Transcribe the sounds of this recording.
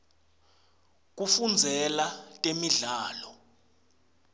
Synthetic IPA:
k̬ʼufund͡zʱɛlatʼemiɮaːlɔ

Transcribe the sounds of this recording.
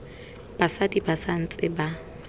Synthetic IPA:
b̥asadibasan̩t͡sʼɪba

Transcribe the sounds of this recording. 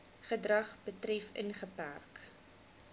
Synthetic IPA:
χədrɐχbətrɛfə̰nχəpæ̰rk

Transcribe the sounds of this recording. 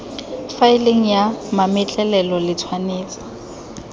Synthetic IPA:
faɪleŋ̩jamamɛt͡ɬʼɛlɛlɔlɪt͡sʰwaneːt͡sʼḁ

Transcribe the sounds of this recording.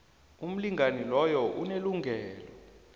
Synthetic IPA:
um̩liŋanilɔjɔʔuneluŋʱɛːlɔ

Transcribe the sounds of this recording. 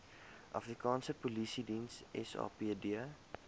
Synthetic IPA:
ʔa̰fɾikɑːnsəpolisidĩnsɛ̰sɑ̰ːpidiə

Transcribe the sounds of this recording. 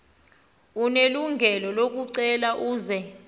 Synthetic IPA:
uneluŋɡʱɛlɔlok̬uǀɛlaʔuːzɛ

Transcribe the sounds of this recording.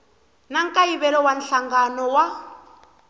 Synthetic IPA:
naŋkʼaiβɛlɔwanɬaŋɡanɔwa

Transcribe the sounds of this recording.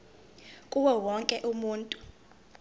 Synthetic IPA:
kʼuwɛwɔŋkʼɛʔumuːntʼu

